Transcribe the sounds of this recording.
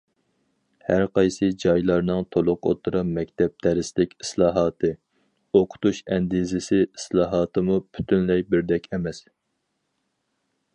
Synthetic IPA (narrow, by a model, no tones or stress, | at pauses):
hæɾqʰɑjsɨd͡ʒɑjlˠɑɾnɨŋt̪ʰolˠʊqo̰t̪ʰɨɾɑmɛkʲt̪ʰɛp̚t̪ʰæɾɪslɪkʲi̥slˠɑːɦɑːt̪ʰɨ | oqʰʊ̥t̪uʃɛnd̪izɪsɪislˠɑːɦɑːt̪ʰɨmupʰy̥t̪ʰynlɛjbɪɾd̪ɛkʲɛmɛs